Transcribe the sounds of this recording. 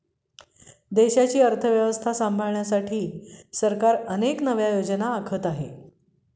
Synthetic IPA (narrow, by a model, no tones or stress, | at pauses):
d̪eɕat͡ɕiːəɾt̪ʰəʋjəʋəst̪ʰasambʱəɭɳjasaʈʰiːsəɾkaɾəneknəʋjajod͡ʑənaːkʰət̪aɦe